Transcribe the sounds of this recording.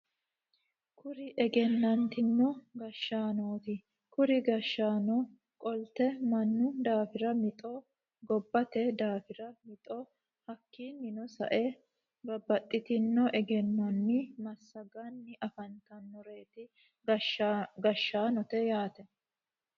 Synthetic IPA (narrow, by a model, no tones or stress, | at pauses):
kʰʊɾɪʔɛɡɛnːɐnt̪ɪnːɔɡɐʃːaːnoːt̪ɪ | kʊɾɪɡɐʃːaːnɔ | kʼɔlt̪ɛmɐnːʊd̪aːfɪɾɐmɪt̪ʼɔ | ɡɔbːɐt̪ɛd̪aːfɪɾɐmɪt̪ʼɔ | hɐkːinːɪnɔsɐ̰ʔɛ | bɐbːɐt̪ʼːɪt̪ɪnːɔʔɛɡɛnːɐnːɪmɐsːɐɡɐnːɪʔɐfɐnt̪ɐnːɔɾe̞ːt̪ɪ | ɡɐʃːaːnɔt̪ɛjaːt̪ɛ